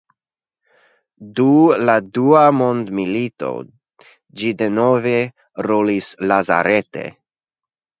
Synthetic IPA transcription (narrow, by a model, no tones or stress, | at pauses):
duladuamo̞nd̪milito̞̰ | d͡ʒide̞no̞ve̞ | ɾolislaza̰ɾete̞̰